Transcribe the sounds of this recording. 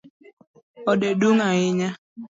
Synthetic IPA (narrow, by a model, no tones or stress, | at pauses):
ɔɗeduŋaɪɲa